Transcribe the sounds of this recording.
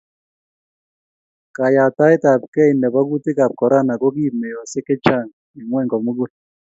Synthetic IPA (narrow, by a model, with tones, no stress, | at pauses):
ka˨ja˨ta˦ɪ˦ta˨p̚kɛ˦i˨ndɛ˨ba˦ɡu˦tɪ˦ka˨p̚kɔ˨ɾa˦˨na˨ko˦k̬iː˦˨me˨jɔ˨sɪ˦kɪ˦t͡ʃa˦˨ŋ | e˨ŋwɛ˦˨ŋɡɔ˨mu˦ɡu˦l